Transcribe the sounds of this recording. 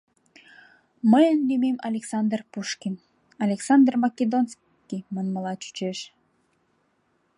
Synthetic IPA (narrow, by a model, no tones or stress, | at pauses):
məjənd̪imemɑlʲeksɑnd̪rpuʃkʲin | ɑlʲeksɑnd̪rmɑkʲed̪ons | kʲimənməlˠɑt͡ɕy̥t͡ɕeʃ